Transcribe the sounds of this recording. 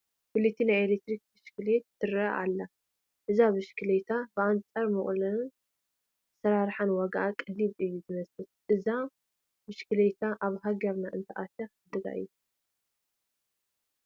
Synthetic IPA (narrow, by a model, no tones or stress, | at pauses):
fɨlɨt̪ʰːinajelek̚t̪ɾik̚bɨʃkɨlet̪ːɨɾɐʔa̰lːa | ʔɨzaβɨʃkʰɨlet̪ʰabɨʔant͡sʼɐɾmɨχʼlɐn | sɐɾaɾħanwaɡaʔakʼɨliβɨjːuzɨmɐsɨt̪̚ʔɨza | bɨʃkʰɨlet̪ʰaʔaβɦaɡɐɾnaʔɨ̰nt̪ʰɐʔat̪ʰɐɨd̪ɨɡa̰ʔɨ̰ju